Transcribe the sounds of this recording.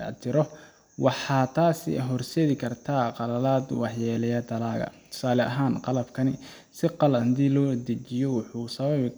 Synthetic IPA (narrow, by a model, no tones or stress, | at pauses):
ɐ̰t̪ʰɪɾɔ | wɑħɑːt̪ʰaːsɪ̰ɦɔrsɛːðɪkʰɐrt̪ʰaːqɑlɐlaːd̪wɑħjɛlɛjɐt̪ʰɐlaːɣɐ̰t̪ʰʊ̥saːlɛʔɐ̰ɦaːnqɑlɐbkʰɐnɪ | sɪqɑlɐhd̪iːlɔːd̪ɐt͡ʃɪjɔwʊħuːsɐβɐβ